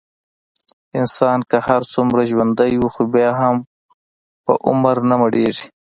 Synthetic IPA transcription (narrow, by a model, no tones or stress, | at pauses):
ɪnsɑːnkahaɾsʊmɾaʒwand̪ajwuxobjɑːɦam | pə̰ʔʊ̰mɾnamaɽeːʐi